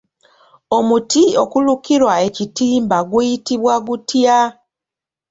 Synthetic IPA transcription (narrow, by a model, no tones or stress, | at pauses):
o̞mutio̞kulukiɾwae̞citiːmbaɡujitiβwaɡutja